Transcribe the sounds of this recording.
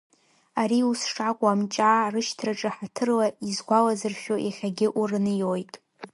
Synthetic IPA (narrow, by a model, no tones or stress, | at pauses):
aɾiusʂakʷʼamt͡ʃʼaːrɨʃtʰraʈ͡ʂʼɨħatʰɨrlaizɡʷalazɨrʃᶣoʔaχʲaɡʲɪʔurɨnɨjojtʼ